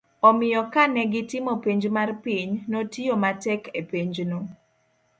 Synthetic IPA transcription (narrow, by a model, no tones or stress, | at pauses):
ɔmɪjɔkanɛɡɪtɪmopeɲd͡ʒmarpiɲnotijomatɛkepeɲd͡ʒno